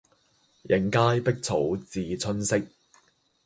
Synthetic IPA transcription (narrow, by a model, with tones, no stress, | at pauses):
jʔɪ˨˥˩ŋkaː˥jpɪ˥k̚t͡sʰo̰˨˥wt͡siː˨t͡sʰɵ˥nsɪ˥k̚